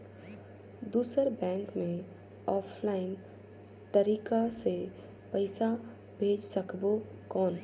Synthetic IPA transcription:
d̪uːsəɾbɛ̃ːŋkmẽ | ɔːpʰlaːɪn | t̪ɐɾiːkase | pɐɪsa | bʱeːd͡ʒsɐkbo | kɔːn

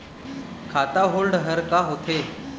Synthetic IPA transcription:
kʰat̪aɦolɖɦəɾkaɦot̪ʰe

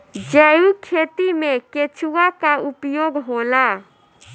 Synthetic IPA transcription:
d͡ʒɛukʰet̪imeket͡ʃʰuwakaʔupjoɡɦola

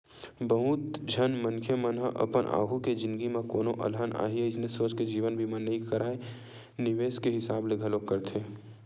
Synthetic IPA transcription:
bəɦuːt̪d͡ʒʱɐnmɐ̃nkʰjəmɐnɦə̰ʔɐ̰pənʔa̰ːɡʱuked͡ʒɪ̃nd̪ɡimẽkoːnoʔɐ̰lɦəna̰ːɦieɪsnesoːt͡ʃked͡ʒiːʋənbʱimənɐikɐɾaːe | nɪʋeːskeɦɪsaːbleɡʱɐlokɐɾt̪ʰeː

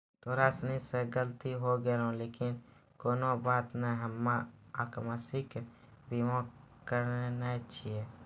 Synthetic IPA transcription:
t̪oːɾaːsniseɡəlt̪iɦoɡelõleːkɪn | koːnobaːt̪nɛɦəmːãakmasɪk | bimõ | kəɾnenət͡ʃʰie

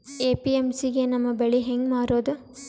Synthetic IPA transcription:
eːpiemsiɡe̞nɐmːɐbeɭiɦeŋɡmaːɾoːd̪u

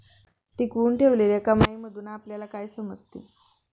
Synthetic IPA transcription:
ʈikʋuːnʈʰeʋleleakamaiməd̪ʱuːnaːpljalakajsəməd͡zt̪ḭ

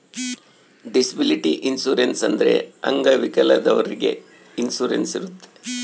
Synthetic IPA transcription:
ɖisɐbiliʈiʔinsuːɾensɐnd̪ɐɾe̞̰ɐ̰ŋɡɐʋikɐlɐd̪ɐʋɐɾiɡe̞̰ | insuːɾensiɾut̪ːe

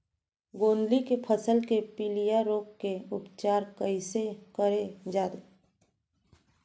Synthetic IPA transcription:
ɡoːnlikepʰəsəlkepilijaɾoːkːeʊpt͡ʃaːɾkəisekəɾed͡ʒaːd̪e

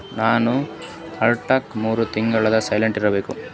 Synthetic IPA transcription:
naːnu | ɐɾʈɐkmuːɾut̪iŋɡɐɭɐd̪ɐsɐjleɳʈiɾɐbe̞ːku

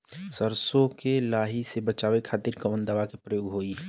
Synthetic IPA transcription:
səɾsokelaːɦisebət͡ʃaːʋekʰaːt̪iːɾkəmənd̪aʋakepɾəjoːɡɦoːi

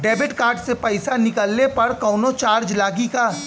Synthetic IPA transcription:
ɖɛːbɪʈkaːɾɖsepɐɪsanɪkəlnepɐɾkɔːnot͡ʃaːɾd͡ʒlaːɡikaː

